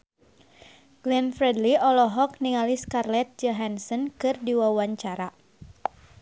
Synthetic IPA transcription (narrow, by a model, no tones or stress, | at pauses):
ɡ̥lɛnfɾɛdliɔlɔɦɔk̚niŋaliskarlɛt̪̚d͡ʒɔɦansənkɨrdiwawaɲt͡ʃaɾa